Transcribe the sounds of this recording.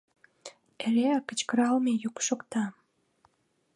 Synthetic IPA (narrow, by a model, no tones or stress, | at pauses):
eɾeɑkə̆t͡ɕkəɾɑlmejukʃokt̪ɑ